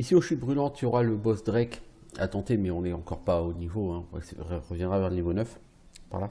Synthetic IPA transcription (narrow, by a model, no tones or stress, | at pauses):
isioʃyt̪̚bʁylɑ̃t̪yɔʁaləbɔsd̪ʁɛk | a̰t̪ɑ̃t̪emɛɔ̃nɛɑ̃kɔʁpaonivoɛ̃ɛ̰sʁəvjɛ̃d̪ʁavɛʁlənivonœf | pa̰ʁla